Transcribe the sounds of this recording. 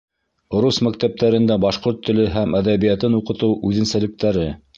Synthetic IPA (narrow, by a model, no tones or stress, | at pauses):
ŏɾusmæk̚t̪æp̚t̪æɾɘ̆nd̪æbɑʃqoɾt̪ʰːɵ̆lɘɦæmæðæβijæt̪ɘnuqɤ̆t̪ɤwʔʉðɘ̆nsælɘ̆k̚t̪æɾɘ